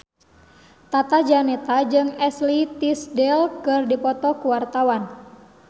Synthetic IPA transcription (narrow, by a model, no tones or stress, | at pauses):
t̪at̪ad͡ʒanɛt̪ad͡ʒɨŋɛslit̪isdɛlkɨrdipɔt̪ɔkuwart̪awan